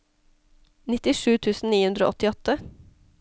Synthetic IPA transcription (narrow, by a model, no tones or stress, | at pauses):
nɪt̪ɪʃʉːt̪ʰʉːsn̩niːhʉnd̪ɾo̰ːʔɔt̪ɪɔt̪ə